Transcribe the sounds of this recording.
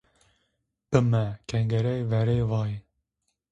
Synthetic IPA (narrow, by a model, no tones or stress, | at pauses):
b̥ɨmɛkʰɛŋɡɛɾɛjvɛɾeːvɑːji